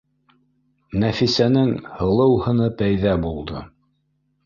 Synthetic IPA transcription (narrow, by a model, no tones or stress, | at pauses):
næfisænɘŋhɤ̆lˠɤ̆whɤ̆nɤpæjðæbulˠd̪ɤ̰